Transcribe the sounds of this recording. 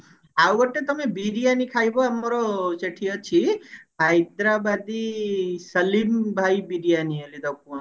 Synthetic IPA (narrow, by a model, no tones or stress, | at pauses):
awʋəʈːet̪əmebiɾijanikʰajboməɾoseʈʰijɔt͡ʃʰiɦajd̪ɾabad̪isəlimbʱaibiɾijanielid̪ʱək̚ʰũ